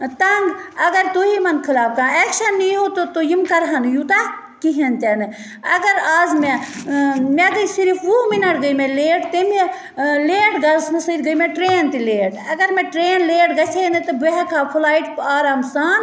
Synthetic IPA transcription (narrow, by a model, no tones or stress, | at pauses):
t̪ɐŋɡɐɡɐɾt̪oɦimɐnkʰilaːp̚kaːɛːkʃɐnːiɦoːt̪ot̪ojimkɐɾɦɐnjut̪a | kiɦɐnt̪ɛnɨ | ɐɡɐɾaːzmẽ | meɡəisiɾifʰʋuːminɐʈɡəjmẽleːʈt̪eme | leːʈɡɐlsmɐsəːɾɡəjmẽʈɾeːnt̪ileːʈɐɡɐɾmeʈɾeːnleːʈɡɐt͡ʃʰeːnd̪et̪ɐbeɦɛkaːpʰʊlaːiʈpaːɾaːmsaːn